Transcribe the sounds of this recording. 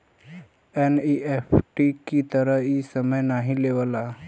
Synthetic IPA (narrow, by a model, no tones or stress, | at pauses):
eniʔefʈikit̪əɾəisəməjnaɦileʋəla